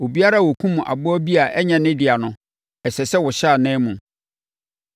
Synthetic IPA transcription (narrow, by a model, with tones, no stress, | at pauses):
o˨bi˦a˦ɾa˦˨wo˨kʰũ˦mũ˨ʔa̰˨bʊ˦ɔ˦bi˦a˨ʔɛ˦ɲɛ̃˨nɪ̃˦dɪ˨a˨nʊ̃˦ | ɛ˨sɛ˨sɛ˦wʊ˨ɕaː˦˨nɛ̃ː˦mũ˨